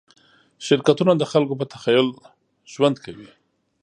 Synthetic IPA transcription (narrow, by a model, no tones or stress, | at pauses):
ʃɪɾkat̪unad̪əxalkop̬ət̪axajʊl | ʒ̥wand̪kʰawi